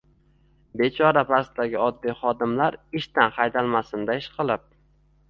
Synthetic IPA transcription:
be̞t͡ʃʰɒɾapʰast̪d̪aɡʲɪɒd̪ːijχɒd̪ɪmlaɾɪʃt̪anχɑjd̪alˠmasɪnd̪aɪʃqʰɨlˠɪp̚

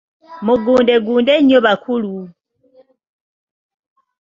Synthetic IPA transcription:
muɡuːndeɡuːndeɲːoβakʰulu

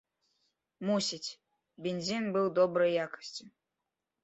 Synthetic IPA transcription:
musʲitʲ | bʲenʲzʲinbɨlˠd̪obɾəjjakə̥sʲtʲu

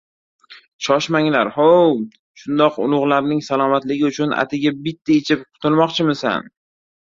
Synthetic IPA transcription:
ʃʰɒʃmaŋlaɾhow | ʃʊnd̪ɒqʊ̰lˠʊʁlˠaɾnɪŋsalˠɒmat̪lɪɡʲɪʊt͡ʃʰʊna̰t̪ʰɪɡʲabɪt̪ːaet͡ʃʰɪp̚qʰʊ̥t̪ʰɪlˠmɒqt͡ʃʰɪmɪsa̰n

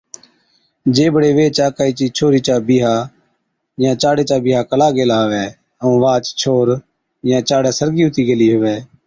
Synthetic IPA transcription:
d͡ʒeːbəɽeːʋeːt͡ʃaːkaːiːt͡ʃiːt͡ʃʰoːɾiːt͡ʃaːbiːɦaː | jãːt͡ʃaːɽeːt͡ʃaːbɪːɦaːkəlaːɡeːlaːɦʋɛː | əũːʋaːt͡ʃt͡ʃʰoːɾ | jãːt͡ʃaːɽɛːsəɾɡiːʊt̪iːɡəliːɦʊʋɛː

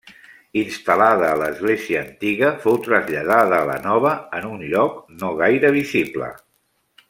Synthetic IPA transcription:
inst̪alaðəːləzɣleziəːnt̪iɣəfowt̪ɾəzʎað̞aðəːlə̰nɔβəənunʎɔknoɣ̞ajɾəβ̞iziblə̰

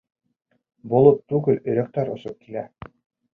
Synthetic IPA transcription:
bolˠɤp̚t̪ːʉɡɘlɵ̆jɾæk̚t̪æɾŏsop̚kilæ

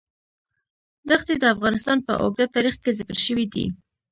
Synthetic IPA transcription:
d̪axt̪ed̪əafɣɑnɪst̪ɑnpə̰ʔo̰ɡ̚d̪at̪ɑɾixkezɪkəɾʃəwid̪ḭ

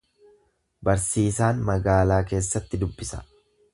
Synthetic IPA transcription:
bɐɾsiːsaːnmɐɡaːlaːke̞ːsːɐt̪ːɪd̪ʊbːɪsɐ̥̰

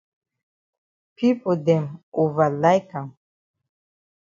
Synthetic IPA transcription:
pʰipod̪ɛmuvalajkam

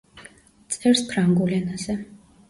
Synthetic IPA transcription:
t̪sʼɛɾspʰɾaŋɡulɛnazɛ

